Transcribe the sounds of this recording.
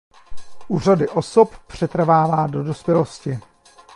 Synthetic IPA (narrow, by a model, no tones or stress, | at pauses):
ʔuːr̝adɪʔo̞soppr̝̥ɛt̪r̩vaːvaːdo̞do̞spjɛlo̞scɪ